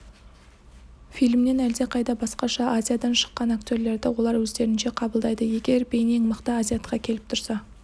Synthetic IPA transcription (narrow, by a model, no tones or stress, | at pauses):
fijlmne̞næld̪e̞qʰɑjd̪ɑbɑsqɑʃɑʔazʲijad̪ɑnʃə̥qːɑnakt̪ʲo̞ɾle̞ɾd̪ɪwo̞lˠɑɾwɵzd̪e̞ɾɪnʃe̞qʰɑbəlˠd̪ɑjd̪əje̞ɡʲe̞ɾbe̞jne̞ŋməqt̪əazʲijat̪qɑkʲʰe̞lɪp̚t̪ʰʊɾsɑ